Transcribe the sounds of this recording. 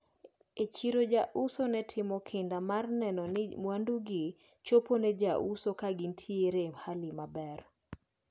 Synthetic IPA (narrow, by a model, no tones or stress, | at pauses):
et͡ʃiɾod͡ʒaʔusonɛtʰɪmɔkʰɪndamarnɛnɔnɪmwanduɡɪ | t͡ʃoponɛd͡ʒaʔusokaɡɪntʰjeɾemhalɪmabɛr